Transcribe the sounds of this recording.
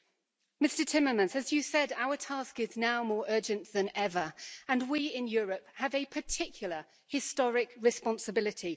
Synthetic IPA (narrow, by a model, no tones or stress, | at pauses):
mɪstətʰɪ̃məmə̃nzəzjɨsɛdaʊətʰɑˑskɪznaʊmɔːɹɜːd͡ʒə̃nðə̃nɛvəə̃nwiɪ̃njɔːɹəphəvəpʰətʰɪkʰjl̩ˠə | hɪstɒɹɪkɹɪspɒ̃nsəbɪlɪtʰi